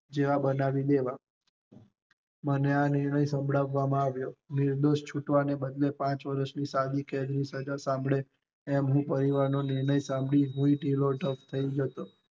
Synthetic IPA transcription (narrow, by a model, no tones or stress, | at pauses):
d͡ʒeʋabənaʋid̪eʋa | məneanɪɾɳəjsəmbʱɭaʋːamãaʋjonɪɾd̪oʃt͡ʃʰuʈʋanebəd̪lepãt͡ʃʋəɾəʃnisad̪iked̪nisəd͡ʒasãmbɭe | ɛmɦũpəɾiʋaɾnonɪɾnəjsãmbɭiɦũiʈiloɖʱəft̪ʰəid͡ʒət̪o